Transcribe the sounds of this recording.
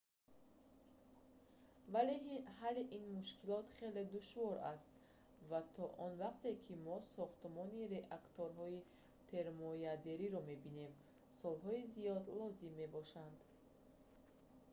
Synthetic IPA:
valehaleʔinmuʃkʰilɔt̪χe̞le̞d̪uʃvɔɾast̪ | vat̪ʰɔʔɔnvaqt̪e̞kʰimɔsɔχt̪mɔniɾe̞ʔakt̪ʰoɾɦɔi | t̪ʰe̞ɾmɔjad̪e̞ɾiɾɔme̞bine̞m | sɔlɦɔizijɔd̪lɔzimːe̞bɔʃand̪

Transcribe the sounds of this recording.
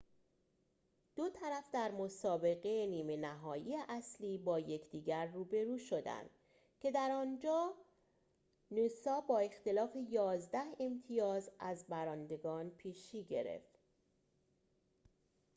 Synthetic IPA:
d̪̥ot̪ʰæɾæfd̪æɾmosɒːbe̞ɣeeniːme̞næɦɒːjiːeʔæsliːbɒːje̞cʰd̪̥iːɟæɾːuːbe̞ɾuːʃo̞d̪æ̰nd̪̥ | cʰe̞d̪æɾɒːnd͡ʒɒː | nusɒːbɒːe̞xt̪e̞lɒːfe̞jɒːzd̪æhe̞mt̪ʰijɒːzæzbæɾɒːnd̪e̞ɡɒːnpʰiːʃiːɟe̞ɾe̞̰ft̪

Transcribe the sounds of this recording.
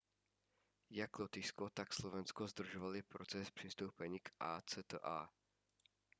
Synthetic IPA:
jaklot̪ɪskot̪akslovɛnskozd̪r̩ʒovalɪpɾot͡sɛspr̝̥ɪst̪owpɛɲiːkʔaːt͡sɛt̪əʔa̰

